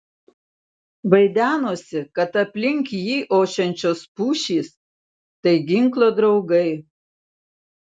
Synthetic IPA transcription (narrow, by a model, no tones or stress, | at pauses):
ʋɐɪd̪ʲæːnoːsʲɪkɐt̪ɐpʲlʲɪŋʲkʲjiːʔoːʃʲɛnʲt͡ʃʲoːspuːʃʲiːs | t̪ɐɪɡʲɪŋklˠoːd̪ɾɒʊɡɐɪ